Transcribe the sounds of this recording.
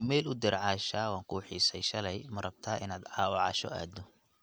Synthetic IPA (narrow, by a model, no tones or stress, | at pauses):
mɛːlʊd̪ɪɾʕɑːʃaːwaːŋkʰuːħiːsɛjʃɐlɛjmɐrɐbt̪ʰaːʔɪnaːd̪ɑːwʕɑ̰ːʃɔ̰a̰ːd̪ɔ